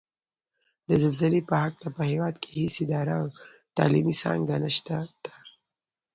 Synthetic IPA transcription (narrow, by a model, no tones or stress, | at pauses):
d̪əzalzalepəɦaklapəhewɑd̪kʰe̥hisɪd̪ɑɾaw | t̪ɑ̰limisɑ̰̃ŋɡɡanaʃt̪ad̪̥ḁ